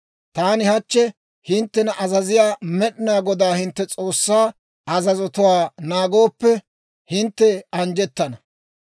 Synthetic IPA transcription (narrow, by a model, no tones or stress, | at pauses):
t̪aːnɪhɐt͡ʃːɛ | hɪnt̪ːɛnɐʔɐzɐzɪjaːmɛɗɪnaːɡɔd̪aːhɪnt̪ːɛt͡sʼo̞ːsːaː | ɐzɐzɔt̪ʊwaːnaːɡo̞ːpːɛ | hɪnt̪ːɛɐnd͡ʒɛt̪ːɐnɐ